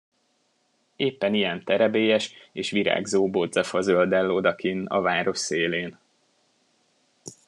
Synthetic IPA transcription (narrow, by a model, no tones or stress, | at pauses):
eːpːɛnijɛnt̪ɛɾɛbeːjɛʃeːʃʋiɾa̰ːɡzoːbod̪zɛfɒzøld̪ɛlːod̪ɒkinɒ̰vaːɾo̞ʃseːleːn